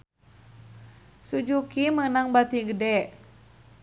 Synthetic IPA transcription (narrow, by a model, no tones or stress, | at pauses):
sud͡ʒukimənaŋbat̪iɡədɛ